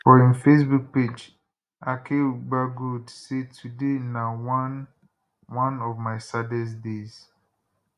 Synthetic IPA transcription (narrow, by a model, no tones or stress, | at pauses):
fɔɹĩnfes̬buk̚ped͡ʒ | akʰeɡ͡baɡudsetʰudenawn | wãnɔvmaɪsadɛs̬dez̥